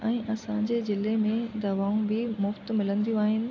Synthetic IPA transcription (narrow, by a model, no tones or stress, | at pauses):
ɛ̃ːʔɐsãɲd͡ʑeːzɪlemẽd̪ɐʋaːũbɪmʊft̪̆mɪlə̃nd̪ijũaːɦɪnɪ̆